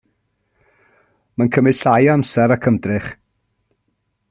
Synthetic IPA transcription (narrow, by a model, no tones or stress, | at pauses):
mankʰəmɪɬajamsɛɾakʰəmdrɪχ